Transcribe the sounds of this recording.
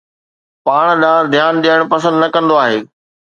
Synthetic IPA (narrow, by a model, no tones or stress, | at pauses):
paːɽ̃ɗ̪aːd̪ʱjaːnɗ̪iaːɪɽ̃pɐsə̃nd̪nɐkɐ̃nd̪oaːɦeː